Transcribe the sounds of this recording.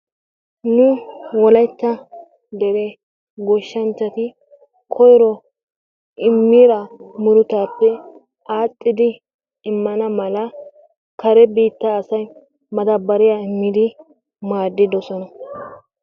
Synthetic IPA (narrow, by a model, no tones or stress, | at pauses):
nʊwɔlɐjt͡ʃːɐ | d̪ɛɾe | ɡɔʃːɐnt͡ʃːɐt̪ɪ | kʰɔjɾɔ | ʔɪmːiːɾɐmʊɾʊt̪aːpːɛ | aːt̪ʼːɪd̪ɪ | ɪmːɐnɐmɐlɐ | kɐɾɛbiːt̪ːɐːsɐj | mɐd̪ɐbːɐɾɪjaɪmːɪd̪ɪ | maːd̪ːɪd̪ɔsɔnɐ